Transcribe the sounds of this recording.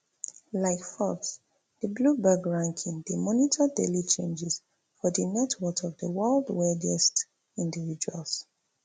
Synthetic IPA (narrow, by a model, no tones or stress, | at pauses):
laɪkfɔks | dəblubaɡɹãŋkʰĩŋdemɔnitʰədelit͡ʃẽnd͡ʒɛs | fɔdənɛtʰwɔtʰɔvdəwɜldwɛdɛst | ĩndivid͡ʒualˠs